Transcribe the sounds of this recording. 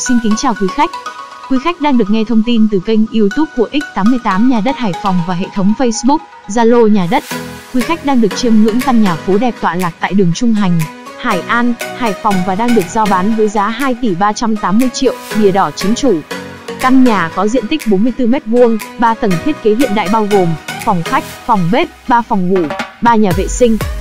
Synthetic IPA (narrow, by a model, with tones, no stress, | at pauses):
si˧nkï˨˦ŋt͡ɕaː˨˩wkwi˨˦xa˦˥jk̟̚ | kwi˨˦xa˦˥jk̟̚ɗaː˧ŋɗɨ˨˩ək̚ŋɛ˧t̪ʰə˧wŋ͡mt̪i˧nt̪ɨ˨˩kə˧jŋ̟ʔi˧əwt̪u˦˥p̚ho̰˧˨ʔi˦˥k̟̚t̪aː˨˦mːɨ˧əjt̪aː˨˦mɲaː˨˩ɗə˦˥t̚haː˧˩jfɔ˨˩wŋ͡mvaː˨˩ɦḛ˧˨t̪ʰə˨˦wŋ͡mfə˧jsɓʊ˦˥k̚ | zaː˧lo˧ɲaː˨˩ɗə˦˥t̚kwi˨˦xa˦˥k̚ɗaː˧ŋɗɨ˨˩ək̚t͡ɕi˧əmŋɨ̰˧˥əŋkaː˧nɲaː˨˩fo˨˦ɗɛ˨˩p̚t̪wa̰ː˧˨laː˨˩k̚t̪a̰ː˧˨jɗɨ˨˩əŋt͡ɕʊ˧ŋ͡mɦa˨˩jŋ̟ | haː˧˩jʔaː˧nhaː˧˩jfɔ˨˩wŋ͡mvaː˨˩ɗaː˧ŋɗɨ˨˩ək̚zɔ˧ɓaː˨˦nvəː˨˦jzaː˨˦ɦaː˧jt̪i˧˩ɓaː˧t͡ɕa˧mt̪aː˨˦mːɨ˧əjt͡ɕḭ˧˨əwɗi˨˩əɗɔ˧˩t͡ɕi˨˦ənt͡ɕu˧˩ | ka˧nɲaː˨˩kɔ˨˦zḭ˧ənt̪i˦˥k̟̚ɓo˨˦nmɨ˧əjt̪ɨ˧mɛ˦˥t̚vu˧əŋɓaː˧t̪ə˨˧˩ŋt̪ʰi˦˥t̚ke˨˦ɦḭ˧˨ənɗa̰ː˧˨jɓaː˧wɣo˨˩mfɔ˨˩wŋ͡mxa˦˥jk̟̚fɔ˨˩wŋ͡mɓe˦˥t̚ɓaː˧fɔ˨˩wŋ͡mvu˧˩ɓaː˧ɲaː˨˩vḛ˧˨sï˧ŋ̟